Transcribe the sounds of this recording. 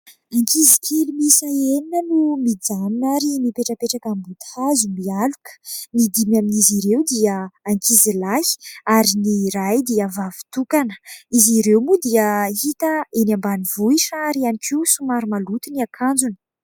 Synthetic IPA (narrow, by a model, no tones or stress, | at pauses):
aŋkizi̥kʰelimisaeninənumid͡zaninaɾimipeʈ͡ʂəpeʈ͡ʂakambud̪azumialukə̥nid̪imjaminiziɾewd̪iəaŋkizilai̥aɾiniɾajd̪iavavi̥t̪ukanə̥iziɾewmud̪iəɦit̪əenambanivuiʈ͡ʂaɾianikʰiwsumaɾumalut̪uniakʰand͡zunə̥